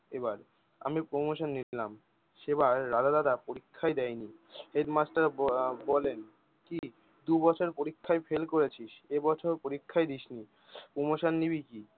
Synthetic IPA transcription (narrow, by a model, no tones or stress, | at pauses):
ebaɾ | a̰mipɾomoʃonːillam | ʃeβaɾːad̪ad̪ad̪apoɾikʰːaejd̪ɛjniɦeɖmasʈaɾbɔlen | ki | d̪ubɔt͡ɕʰoeɾpoɾikʰːaejfʰelkoɾet͡ɕʰiʃebɔt͡ɕʰoɾpoɾikʰːajd̪iʃni | pɾomoʃonːibiki